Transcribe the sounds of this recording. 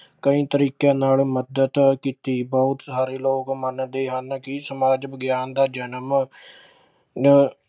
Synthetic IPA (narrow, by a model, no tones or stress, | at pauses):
kəĩːt̪əɾiːkjãːnaːlməd̪ət̪kiːt̪iːbɔʊt̪saːɾeːloːkmənd̪eːɦənkɪsəmaːd͡ʒbəɡjaːnd̪aːd͡ʒənəm